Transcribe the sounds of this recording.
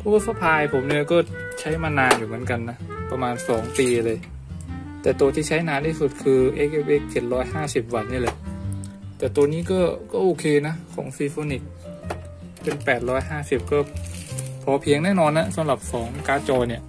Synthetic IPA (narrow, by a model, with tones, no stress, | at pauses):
pʰɔː˧˥˩sa˧˥pʰaː˧jpʰo˩˦mni˥˩kɔː˥˩t͡ɕʰa˦˥jmaː˧naː˧njuː˨˩mɯ˩˦ənka˧nːa˦˥pa˧maː˧nsɔː˩˦ŋpiː˧lɤː˧j | t̪ɛː˨˩t̪u˧t̪ʰiː˧˩t͡ɕʰa˦˥jnaː˧nt̪ʰiː˥˩su˨˩t̪̚kʰɯː˧ʔeː˧˥kʔe˧ʔe˦˥˩kʰːe˨˩n̚ɾɔː˦˥jhaː˥˩si˨˩p̚wa˧nɲiː˧˩lɛ˧˩ | t̪ɛː˨˩t̪u˧niː˥˩kɔː˥˩kɔː˥˩ʔoː˧kʰeː˧na˦˥kʰɔ̰ː˩˦ŋsi˧foː˧ni˨˩k̚ | pe˧npɛː˨˩t̪̚ɾɔː˦˥jhaː˥˩si˨˩p̚kɔː˥˩ | pʰɔː˧pʰi˧əŋnɛː˥˩nɔː˧nːa˦˧˥sa˨˦mla˨˩p̚sɔː˩˦ŋkaː˧t͡ɕɔː˧ni˧˩ə